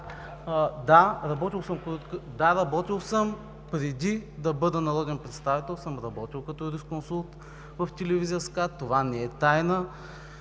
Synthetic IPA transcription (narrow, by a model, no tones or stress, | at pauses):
d̪aɾɐbɔt̪ilˠsəmkd̪aɾɐbɔt̪ilˠsɤm | pɾɛd̪ʲid̪ɐbɤd̪ənɐɾɔd̪ɛnpɾɛt̪st̪avit̪ɛlˠsəmɾɐbɔt̪ilˠkɐt̪ɔɾiskonsulˠt̪ | vɐft̪ɛlɛvizijəskat̪ːovanɛɛt̪ajnə